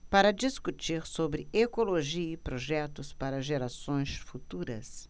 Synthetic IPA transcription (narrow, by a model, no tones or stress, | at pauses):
paɾɐd͡ʒiskut͡ʃiɾsobɾɪekoloʒiɐipɾoʒɛt̪ʊspaɾɐʒeɾasõj̃sfut̪uɾɐ̰s